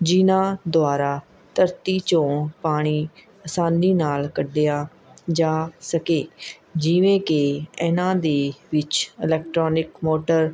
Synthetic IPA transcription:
d͡ʒɪnãːd̪ʊaːɾaː | t̪əɾt̪iːt͡ʃõːpaːɽ̃iː | əsãːniːnaːlkəɖejaː | d͡ʒaːsəkeː | d͡ʒɪʋẽːkeɛnãːd̪eːʋɪt͡ʃɪlɛːk̚ʈɾoːnɪkmoːʈəɾ

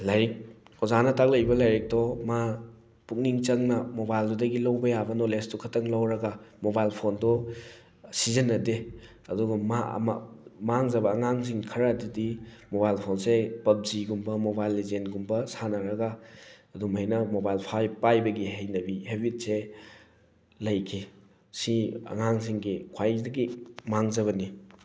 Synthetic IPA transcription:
lajɾik̚ɔzanɐtak̚lɐjbɐlajɾik̚dɔma | puk̚niŋt͡ʃɐŋnɐmobajldudɐɡilawbɐjabɐnɔlestukʰɐtɐŋlawɾɐɡamobajlpʰondɔ | sizɐnːɐde | ɐduɡɐma̰m̰maŋzɐbɐːŋaŋsiŋkʰɐɾadidimoβajlpʰonsepɐb̚ziɡumbɐmobajlːezentɡumbɐsanɐɾɐɡaːdumhejnɐmobajlpʰajpajbɐɡiɦejnɐbihebit̚se | lɐjkʰi | siɐ̰ŋaŋs̬iŋɡikʰwajdɐɡimaŋzɐβɐni

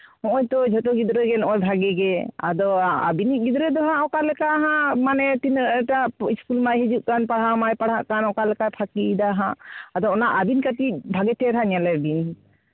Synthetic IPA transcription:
ɔʔɔjt̪ɔd͡ʒʱɔt̪ɔɡid̪ɾɛɡɛnɔʔɔjbʱaɡɛɡɛa̰d̪ɔa̰biniʔ̚ɡid̪ɾɛd̪ɔɦãɔkalɛkaɦãmanɛt̪inɾʈaiskulmajɦɛd͡ʒuʔ̚kanpaɽ̤amajpaɽ̤aʔkanɔkalɛkapʰakid̪aɦãad̪ɔːnaʔabinkat̪iʔ̚bʱaɡɛt̪ɛɾɦãɲalɛbin

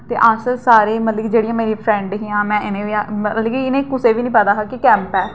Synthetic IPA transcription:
t̪eːʔaːsəlsaːɾeːmət̪ləɡiːd͡ʒeːɽɪjãːmeːɾiːpʰɾɛ̃ːɳɖɦiːãːmɛ̃ːɪnẽːʋiːamət̪ləɡiːɪnẽːkʊseːʋiːnĩːpət̪aːɦakɪkɛ̃ːmpɛː

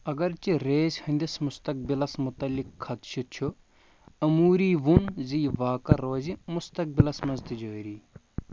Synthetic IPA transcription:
ɐɡɐɾt͡ʃiɾeːzʲhɐnd̪ismʊst̪ɐk̚bilɐsmʊt̪ɐlːikʰːɐt̪ʃʰit̪t͡ʃʰu | ɐmuːɾiːʋunziːʋaːkɐɾoːzimʊst̪ɐk̚bilɐsmɐzt̪id͡ʒoːiɾiː

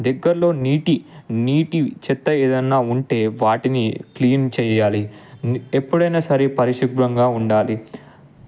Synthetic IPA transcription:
d̪ɛɡːɐɾlo̞ːniːʈiniːʈit͡ʃɛt̪ːɐeːd̪ɐnːaːuɳʈe̞ːʋaːʈinikliːnt͡ʃɛːjaːli | epːuɽɐjnaːsɐɾipɐɾiʃiɡɾɐŋɡaːuɳɖaːli

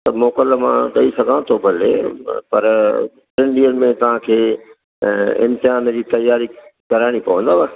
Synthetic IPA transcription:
t̪ɐmoːkələmãɗɐisɐɡʱãt̪ʰobʱɐlḛpɐɾ | ɪ̃nɖiəlmẽt̪ɐʋ̤ãkʰeː | ɪ̰̃mt̪ɪɦaːnəd͡ʑiːt̪ɐjaːɾikɐɾaːɪɽ̃ipɐʋə̃nd̪aʋɐ

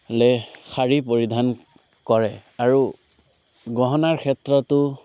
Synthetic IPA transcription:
lɛxaɹip̬oɹidʱan | kɔɹɛaɹu | ɡɔɦɔnaɹkʰɛtɹɔtʊ

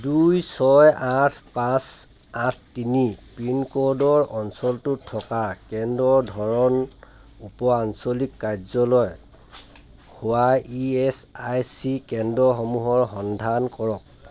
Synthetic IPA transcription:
dujsɔjatʰpas | atʰtinipinkɔɹdɔɹʔɔnsɔltʊtʰːɔkakɛndɔɹdʱɔɹɔn | upɔansɔlikːaɹzɔlɔj | hʊwaiɛsajsikɛndɔxɔmuɦɔɹɦɔndʱankɔɹɔk̚

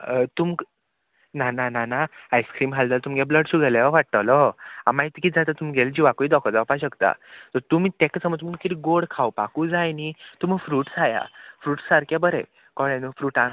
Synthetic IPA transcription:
t̪um | nanananaajskɾiːmɦald̪alt̪umɡabləɽsuɡʱəlaʋaʋaʈ̚t̪alɔa̰maɦit̪kid͡zat̪at̪umiɡeld͡ʑiʋakɔid̪ɔkʰəɾd͡zawpaɕəkt̪a̰t̪ɔɾt̪um̤iːt̪eksəmət͡s̪məkit̪iɡoɽkʰawpa̰kuːd͡zajnit̪um̤əfɾuːʈd͡zaja̰fɾuːʈssaɾkjabəɾɛ̰ | kɔɭjãnufɾuːʈã

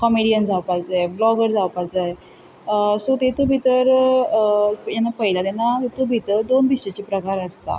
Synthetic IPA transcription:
kɔmiɽijənd͡zawpad͡zajblɔɡəɾd͡zawpad͡zaj | sot̪et̪obʱit̪əɾ | jɛnːapəɦjlat̪anːat̪obʱit̪əɾd̪ond̪iɕet͡ɕipɾəkaɾəst̪a̰

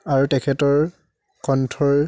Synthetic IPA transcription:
aɹutɛkʰɛtɔɹ | kɔntʰɔɹ

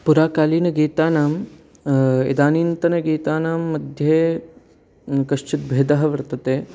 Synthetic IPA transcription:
puɾaːkaːliːnɐɡiːt̪aːnaːm | ḛd̪aːniːnt̪ɐnɐɡiːt̪aːnaːmːɐd̪ʱjeː | kɐʃt͡ʃit̪̚bʱeːd̪ɐɦɐʋɐɾt̪ɐt̪eː

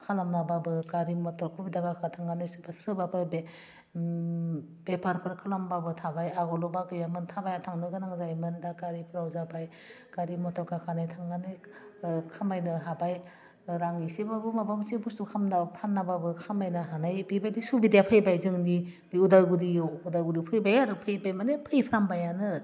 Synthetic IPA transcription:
kʰalamnababɯkaɾimɔtɔkʰubidaɡakʰatʰaŋɡanɯjsɯbasɯbapʰɯɾbe | b̥epʰaɾpʰɯɾkʰalambabɯtʰabajaɡɔlɔbakɯjamɯntʰabajatʰaŋnɯɡɯnaŋzajmɯndakaɾipʰɯɾawzabaj | kaɾimɔtɾɔkʰakʰanajtʰaŋɡanɯj | kʰamajnɯɦabaj | ɾaŋisebabɯmabamsebustukʰamnapʰanːababɯkʰamajnɯɦanajbibajdisubidjapʰɯjbajzɯŋnidiudajɡudiudajɡudipʰɯjbajaɾɯpʰɯjbajmanepʰɯjpʰɾambajanɯ

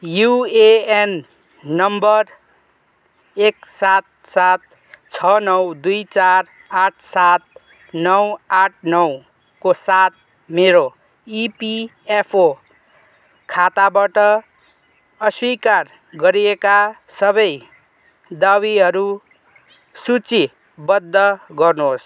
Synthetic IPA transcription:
jueenː | ʌmbʌr | eksat̪̚sat̪̚ | t͡sʰʌnʌwd̪ujt͡sar | aʈʰsat̪̚ | nʌwaʈʰnʌw | kosat̪̚ | meɾo | ipiepʰo | kʰat̪abaʈʌ | ʌswikar | ɡʌɾiekasʌbʌj | d̪awiɦʌɾu | sut͡si | bʌd̪ːʌɡʌrnos

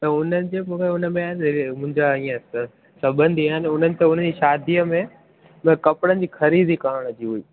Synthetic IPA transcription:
t̪ɐʊn̤ənɪ̆d͡ʑeːmũːkʰeʊnə̆mẽaːnmʊ̃ɦɪ̃ɲd͡ʑaĩːãs | sɐbə̃nd̪ʱiaanɪʊn̤ənɪ̆t̪eʊn̤ə̃n̆d͡ʑiːʃaːd̪ʱijəmẽ | m̃kɐpɪɽənɪ̆d͡ʑiːxɐɾiːd̪ʱikaːɾəɽ̃ɐd͡ʑiɦuiː

